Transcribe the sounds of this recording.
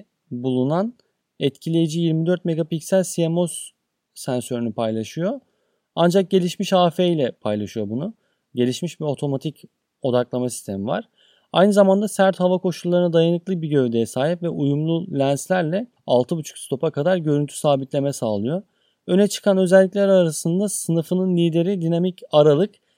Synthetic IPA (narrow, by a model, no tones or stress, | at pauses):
bulˠunan | ɛt̪cʰilʲe̞jid͡ʒijiɾmid̪øɾt̪me̞ɡapicsælʲsiemo̞s | sænsø̞ɾynypʰajlˠaʃyjo̞ | and͡ʒak̚ɟe̞lʲiʃmiʃhaːfeilʲɛpʰajlˠaʃɯjo̞bunʊ | ɟe̞lʲiʃmiʃbio̞t̪ʰo̞mat̪ʰic | o̞d̪aklˠamasist̪ʰe̞miva̰ɾ̥ | a̰jnɯzamand̪asæɾt̪havakʰo̞ʃulˠːaɾɯnad̪ajanɯklˠɯbiɟø̞vd̪e̞jɛsaːɦipvɛʔujumlˠulʲænslʲæɾlʲɛ | alˠt̪ʰɯbut͡ʃʰu̥kst̪o̞pʰakad̪aɾɟø̞ɾynt̪ʰy̥saːbit̪lʲe̞mɛsaːlˠɯjo̞ | ønɛt͡ʃʰɯ̥kʰanø̞zɛlʲːic̬ʲlʲɛɾaɾasɯnd̪asɯnɯfɯnɯnlʲiːd̪e̞ɾid̪inamicaɾalˠɯk